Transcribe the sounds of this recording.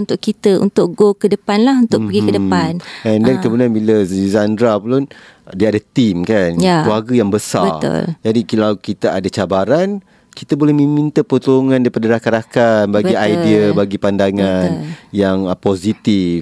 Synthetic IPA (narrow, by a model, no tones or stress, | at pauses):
unt̪ʊʔkit̪əṵnt̪ʊʔɡokədəpanlaɦunt̪ʊkəɡikədəpanɛndankəmudanbiləzizandɾaplun | diaːdat̪imkanjaluaɡəjaŋbəsa̰bərʊ̰ld͡ʒadikilawkit̪aadat͡ʃabaɾan | kit̪abolɛhməmĩnt̪əpət̪uuŋãndaɾipadaɾakaɾakanbaɡbiajdiabaɡipandaŋannjaŋpozit̪if